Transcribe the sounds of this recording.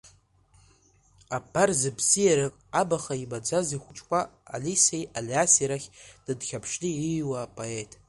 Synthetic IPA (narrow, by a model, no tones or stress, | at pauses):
apʰːarzɨbzijaɾakʼabaχaibad͡zaziχʷʊt͡ʃʼkʷʼa̰ːlisejaliasiɾaχʲd̥ɨdχʲapʰʂliijwaːpʼoe̞tʼ